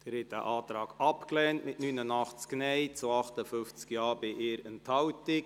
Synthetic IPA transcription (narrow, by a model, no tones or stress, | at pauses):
d̥əɾɛtə̰ʔɑːt̪ɾɑːɡɑpklɛːntmɪtnyːnənɑχt͡sknɛɪt͡suɑχtəfʏnft͡skjɑːɾbɪʔɪːɾənthɑwtɪk